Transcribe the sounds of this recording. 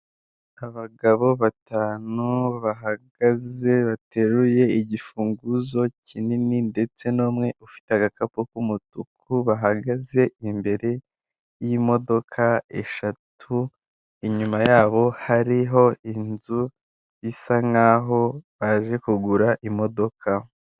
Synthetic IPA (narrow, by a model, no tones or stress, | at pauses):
aβaɡaβo̞βataːnuβaɦaɡaze̞βatʰe̞ɾuje̞iɟifuːŋɡuzo̞cʰinininde̞t͡se̞noːmŋe̞ʔufi̥teaɡakapukumutukʰuβaɦaɡaze̞imbe̞ɾe̞ | jimo̞do̞kʰae̞̰ʃatʰu | iɲumajaːβo̞haɾiɦo̞inzu | βisaŋaːɦo̞βaʒe̞kuɡuɾaʔimo̞do̞kʰa